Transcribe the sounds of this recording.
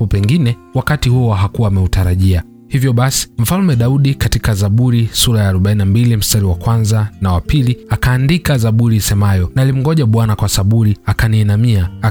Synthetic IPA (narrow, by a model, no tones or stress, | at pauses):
ɔpɛŋɡinɛwakatihuaɦakuwaːmɛutaɾaʄia | hivjɔɓasi̥m̩falmɛɗauɗikatikazaɓuɾisuɾajaːɾuɓainambilim̩staɾiwakwanzanawapiliakaːndikazaɓuɾisɛmajɔnalim̩ɡɔʄaɓwanakwasaɓuɾiakaniːnamia